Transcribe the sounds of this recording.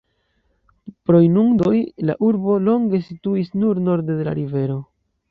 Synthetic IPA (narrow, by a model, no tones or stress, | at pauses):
pɾo̞jnuŋdo̞jla̰ʔuɾbo̞lo̞ŋɡe̞situisnuɾno̞ɾde̞de̞la̰ɾive̞ɾo̞